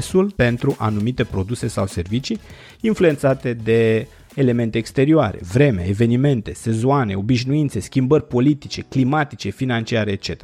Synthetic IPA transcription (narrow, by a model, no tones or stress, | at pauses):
sulpe̞nt̪ɾuʔanumit̪e̞pɾo̞d̪usesawse̞rvit͡ʃiː | nflue̞nt̪sat̪e̞d̪e̞ː | le̞me̞nt̪e̞ːkst̪e̞ɾioaɾe̞̰vɾe̞mḛeve̞nime̞nt̪e̞se̞zoane̞o̞biʃnuint̪se̞skʲimbərʲpo̞lit̪it͡ʃe̞klimat̪it͡ʃe̞finant͡ʃiaɾeːt̪̚t͡ʃe̞t̪ea